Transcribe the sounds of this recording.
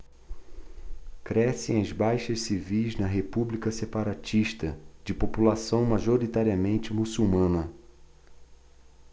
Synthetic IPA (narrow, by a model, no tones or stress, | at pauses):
kɾɛsẽɐzbajʃɐssivijznɐɦepublikɐsepaɾat͡ʃiʃt̪ɐd͡ʒɪpopulasɐ̃w̃maʒoɾit̪aɾiɐmẽnt͡ʃɪmusuwmɐ̃nɐ